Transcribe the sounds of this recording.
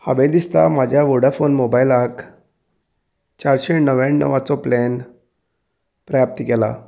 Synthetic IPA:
habed̪ist̪a̰mad͡ʑʱjaʋoɽafonmobajilak | t͡ɕaɾɕenəʋjãɳːə̰ʋat͡sɔplɛn | pɾəjap̚t̪ikɛla̰

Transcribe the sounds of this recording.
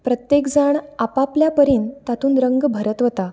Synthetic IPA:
pɾət̪jekd͡zaɳapapljapəɾiːnt̪at̪uːnɾəŋɡbʱəɾət̪ʋət̪a

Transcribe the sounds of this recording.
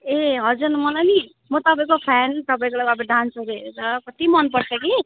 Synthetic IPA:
eɦʌd͡zurnmʌlajni | mʌt̪ʌpaĩkopʰant̪ʌpãĩkolaapʰiɖãnsʰuɾeet͡sʌkʌt̪imʌnpʌɾt͡sʰʌki

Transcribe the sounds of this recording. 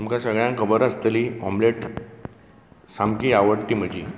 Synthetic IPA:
t̪umkasəɡɭjãŋkʰəbəɾəst̪əliɔ̰mleʈ | samkiːaʋəɽt̪iːm̤əd͡ʑi

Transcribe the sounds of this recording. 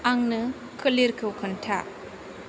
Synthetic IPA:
aŋnɯ | kʰɯliɾkʰɯwkʰɐntʰa̰

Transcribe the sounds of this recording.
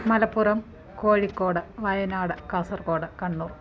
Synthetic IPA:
mɐlɐpːurɐm | koːɻikːo̞ːɽɨʋɐjɐnaːɽɨkɐːsɐrko̞ːɽɨkɐɳːuːr

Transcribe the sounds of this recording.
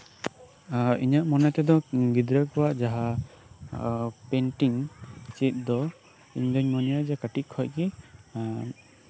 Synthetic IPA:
iɲaʔmɔnɛt̪ɛd̪ɔɡid̪ɾakɔwaʔd͡ʒaɦa | pɛnʈiŋt͡ʃit̪̚ˀd̪ɔ | iɲdɔɲmɔnijad͡ʒɛkaʈiʔ̪̚kʰɔʔki

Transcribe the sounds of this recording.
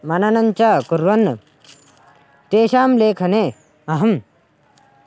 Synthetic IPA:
mɐnɐnɐnt͡ʃaːkuɾʋɐnːɐ | t̪eːɕaːmleːkʰɐneː | ɐɦɐm

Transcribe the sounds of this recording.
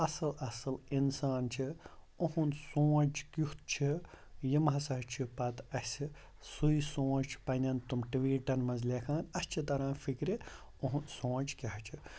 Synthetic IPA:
ɐsɨlɐsɨlinsaːnt͡ʃʰi | oɦunsõːt͡ʃkuht̪̚t͡ʃʰi | jimɦɐsɐɦt͡ʃʰipɐt̪ɐs | sujsõːt͡ʃt͡ʃʰpɐnʲɐnt̪umʈʋiːʈɐnmɐnzlʲekʰãːnɐst͡ʃʰit̪ɐɾãːfikɾe | oɦunsõːt͡ʃkʲɐɦt͡ʃʰi

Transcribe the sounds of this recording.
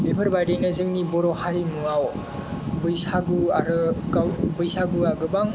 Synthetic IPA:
bebʰʱɯɾbajdejnɯzɯŋnibɔɾɔhaɾimuaw | bɯjsaɡuaɾɯɡawbɯjsaɡuaɡɯbaŋ

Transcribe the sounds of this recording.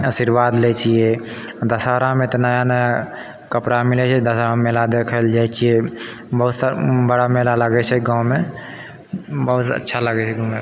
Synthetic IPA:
əsiɾʋad̪lɛt͡ʃʰied̪əsaɾãmẽt̪ɔnəjanəja | kəpɾamilɛt͡ʃʰɛd̪əsaɾãmelad̪ekʰəld͡ʒajt͡ʃʰie | bəɦut̪bəɽamelaləɡɛt͡ʃʰɛɡãw̃me | bəɦut̪ə̰tːʃʰaləɡɛt͡ʃʰɛɡũme

